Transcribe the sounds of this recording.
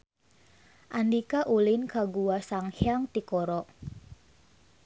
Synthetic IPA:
ʔandikaʔulinkaɡuwasaŋhjaŋt̪ikɔɾɔʔ

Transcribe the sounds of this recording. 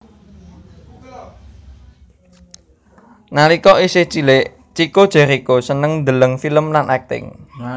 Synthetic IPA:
nalikɔʔiseht͡ʃilɪʔ | t͡ʃikod̥ʒ̥ɛ̤ɾikosənəŋnd̪ələŋfiləmlanɛk̚t̪ɪ̰ŋ

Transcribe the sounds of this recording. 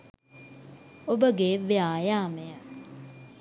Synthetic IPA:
obəɡeːʋeaːjaːməjə

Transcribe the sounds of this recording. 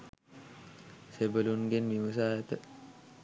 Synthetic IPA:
sebəlunɡenmiʋəsaːjət̪ə

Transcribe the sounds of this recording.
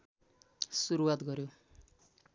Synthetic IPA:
suɾuwat̪ɡʌɾjo

